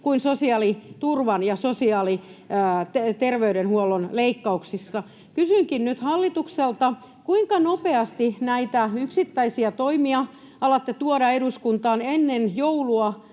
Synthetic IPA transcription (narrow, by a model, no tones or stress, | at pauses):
kuinsosiɑːlit̪urʋɑnjɑsosiɑːliː | t̪erʋeyɾenhuolːonleikːɑuksisːɑ | kysyŋkinnyt̪hɑlːit̪ukselt̪ɑ | kuiŋkɑnopeɑst̪inæit̪æyksit̪ːæisiæt̪oimiɑ | ɑlɑt̪ːet̪uoɾɑeɾuskunt̪ɑːnenːenjouluɑ